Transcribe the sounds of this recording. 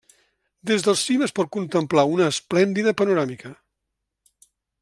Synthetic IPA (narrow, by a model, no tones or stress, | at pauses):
d̪ezðəlˠsiməspɔt̪̚kunt̪əmplaunəːsplɛnd̪iðəpənuɾamikə